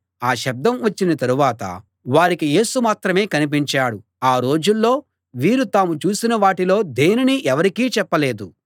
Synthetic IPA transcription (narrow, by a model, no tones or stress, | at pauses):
aːʃɐb̚d̪ɐmʋɐt͡ʃːinɐt̪ɐɾuʋaːt̪ɐ̰ | ʋaːɾikije̞ːsumaːt̪ɾɐme̞ːkɐnip̬iɲt͡ʃaːɽu | aːɾo̞ːd͡ʒulːo̞ː | ʋiːɾut̪aːmut͡ʃuːsinɐʋaːʈilo̞ːd̪e̞ːniniʔɛʋɐɾikiːt͡ʃɛpːɐle̞ːd̪u